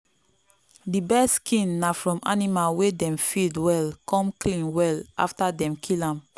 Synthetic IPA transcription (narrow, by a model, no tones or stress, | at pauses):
dibɛskʰĩnːafɹɔ̃mʔa̰nimalwedɛ̃mfidwɛlkʰɔ̃mklĩnwɛlʔa̰ftadɛ̃mkʰilãm